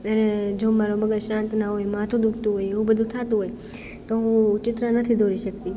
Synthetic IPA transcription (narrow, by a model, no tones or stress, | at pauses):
əned͡ʒomaɾoməɡəɾʃãnt̪naɦojmat̪ʰũd̪ukʰt̪ũɦojeũbəd̪ʱũt̪ʰat̪ũɦoj | t̪oɦũt͡ʃɪt̪ɾənət̪ʰid̪ʱoɾiʃək̚t̪i